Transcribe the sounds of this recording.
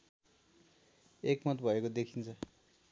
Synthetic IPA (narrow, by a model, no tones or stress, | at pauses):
ekmʌt̪bʱʌekod̪ekʰint͡sʰʌ